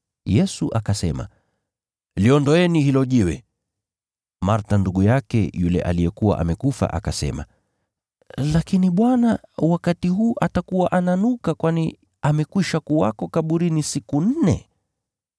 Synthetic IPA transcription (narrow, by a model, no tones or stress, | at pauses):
jɛsuʔakasɛma̰ | liɔndɔɛnihilɔʄiwɛ̰ | maɾtanduɠujakɛ̰julɛ̰ʔa̰lijɛkuwa̰ʔa̰mɛkufa̰ʔa̰kasɛ̰ma̰ | lakiniɓwanawakatiɦuːʔatakuwaʔananukakwani | amɛkwiʃakuwa̰kɔkaɓuɾinisikun̩nɛ̰